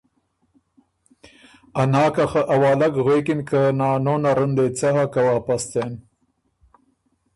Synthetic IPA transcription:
anɑːkaxaʔawɑːlakɣekɪnkənɑːnonaɾənd̪et͡saɦakawaːpast̪en

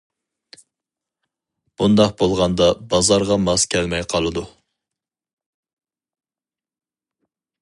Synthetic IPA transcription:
b̥und̪ɑqbolˠʁɑnd̪ɑbɑzɑɾʁɑmɑzkʲʰɛlmɛjqʰɑlˠɨd̪u

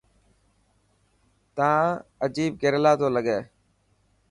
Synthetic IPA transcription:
t̪ãːəd͡ʒiːb̚ɡeːɾlaːt̪ʰoːləɠeː

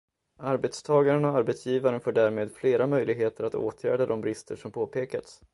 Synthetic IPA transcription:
aɾbɛt̪st̪ʰɑːɡaɾənɔaɾbɛt̪sjiːvaɾənfoːɖæːɾmeːd̪fleːɾamœjlɪɡɦeːt̪əɾat̪o̰ːt̪ʰjæːɖad̪ɔmbɾɪst̪ʰəʂɔmpʰoːpʰeːkat̪s

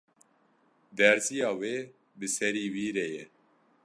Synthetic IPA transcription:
d̪ɛɾzijɑːweː | bɨsɛɾiːwiːɾejɛ

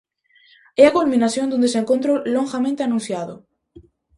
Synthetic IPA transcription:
ɛakolmĩnaθjõnd̪und̪eseŋkont̪̬ɾoloŋxamẽnt̪eanũnθjaðʊ

